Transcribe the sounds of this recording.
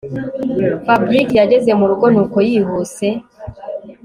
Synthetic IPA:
fabɾikjaɟe̞ze̞muɾuɡonuko̞jihuse̞

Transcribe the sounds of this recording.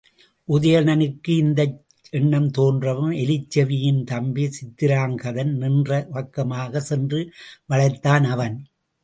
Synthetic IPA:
ʔʊðɐjɐnɐnɯkːɯɪnd̪ɐ | ɛɳːɐmt̪oːndrɐʋɯmɛlɪt͡ʃːɐʋɪjɪnt̪ɐmbisɪt̪ːɪɾaːŋɡɐðɐnnɪndrɐʋɐkːɐmaːɣɐsɛndrɯʋɐɭɐɪt̪ːaːnɐʋɐn

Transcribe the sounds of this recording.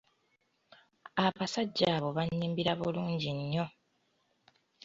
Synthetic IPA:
aβasaɟːaːβo̞βaɲːiːmbiɾaβuluːɲɟiɲːo̞

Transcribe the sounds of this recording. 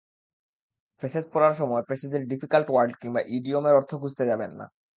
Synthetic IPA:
pɾeʃed͡ʑpɔɾaɾʃɔmɔepɾeʃed͡ʑeɾɖifikalʈwaɾɖkiŋbaʔiɖiomeɾɔɾt̪ʰoɡud͡ʑt̪ed͡ʑabenːa̰

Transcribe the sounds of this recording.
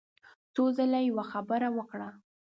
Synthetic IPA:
t͡sozalajawaxabəɾawəkɽa

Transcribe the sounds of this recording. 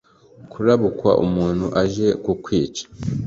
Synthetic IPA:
kʰuɾaβukwa̰ʔumuːn̤huʔaʒe̞kukwiːt͡ʃḁ

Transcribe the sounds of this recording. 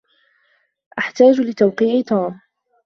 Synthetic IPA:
ʔaħt̪aːd͡ʒlɪt̪awqiːʕɪt̪uːm

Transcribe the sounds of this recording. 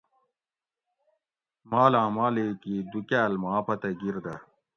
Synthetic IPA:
maːlãːmaːleːkiːd̪ukæːlmaːpɐt̪ɐɡiɾd̪ɐ

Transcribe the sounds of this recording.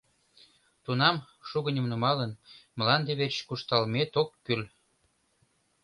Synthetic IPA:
t̪unɑm | ʃuɣənʲə̆mnumɑlənməlɑnd̪eβet͡ɕkuʃt̪ɑlmet̪okːyl

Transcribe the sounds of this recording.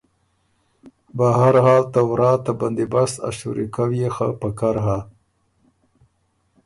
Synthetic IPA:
baɦaɾhɑːlt̪awɾɑt̪aband̪ebasa̰ʃṵɾikawiexa̰pakaɾɦa

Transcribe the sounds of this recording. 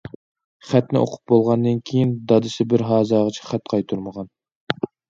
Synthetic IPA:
χæt̪nɪ̰ʔo̰qʰʊ̥p̚bolˠʁɑnd̪ɨnkʲʰejind̪ɑd̪ɨsɪbɪɾɦɑːzɑːʁət͡ʃʰɛ̥χæt̪qʰɑjt̪ʰuɾməʁɑn

